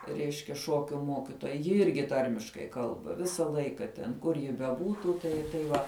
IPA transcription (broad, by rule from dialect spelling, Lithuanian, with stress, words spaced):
ˈrʲɛɪʃʲkʲɛ ˈʃoːkʲʊ ˈmoːkʲɪtoːjɛ jɪ ˈɪrʲɡʲɪ ˈtɐrʲmʲɪʃkɐɪ ˈkɐlˠbɐ ˈʋʲɪsɐ ˈlˠɐɪkɐ tʲɛn ˈkʊr jɪ bʲɛˈbuːtuː ˈtɐɪ tɐɪ ˈʋɐ